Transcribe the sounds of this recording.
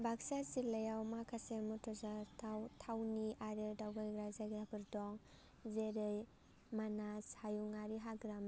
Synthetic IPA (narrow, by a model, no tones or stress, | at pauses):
baksazilɐjawmakʰasemutʰɔzaɾtʰawtʰawniʔaɾɯdawɡaɡɡɾazaɡɾabɯɾdɔŋ | zeɾɯj | manashajuŋaɾiɦaɡɾam